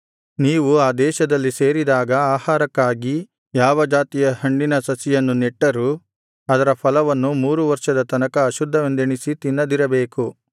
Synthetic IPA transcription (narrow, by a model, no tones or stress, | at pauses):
niːʋuaːd̪ɛːʃɐd̪ɐlːise̞ːɾid̪aːɡɐaːhaːɾɐkːaːɡi | jaːʋɐd͡ʒaːt̪ijɐhɐɳɖinɐsɐsijɐnːuneʈːɐɾu | ɐd̪ɐɾɐpʰɐlɐʋɐnːumuːɾuʋɐɾʂɐd̪ɐt̪ɐnɐkɐːʃud̪ʱːɐʋend̪eɳisit̪inːɐd̪iɾɐbeːku